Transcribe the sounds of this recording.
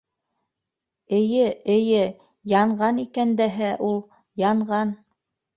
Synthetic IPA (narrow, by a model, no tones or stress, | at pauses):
ɘ̆jɘɘ̆jɘ | jɑɴɢɑnikænd̪æɦæʔulˠ | jɑɴʁɑn